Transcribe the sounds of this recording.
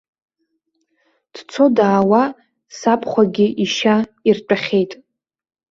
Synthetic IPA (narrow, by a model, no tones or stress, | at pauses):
d̥t͡sʰo̞daːwa | sapʰʼχʷaɡʲɪʔiʃairt͡ʃʷʼaχʲe̞jtʼ